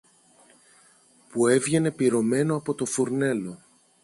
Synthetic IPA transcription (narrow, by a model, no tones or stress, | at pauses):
pue̞vʝe̞ne̞piɾo̞me̞no̞ɐpo̞t̪o̞fuɾne̞lo̞